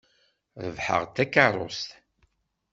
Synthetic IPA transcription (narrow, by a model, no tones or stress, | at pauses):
ðəvħə̰ʁt̪ːækːarˤo̰st̪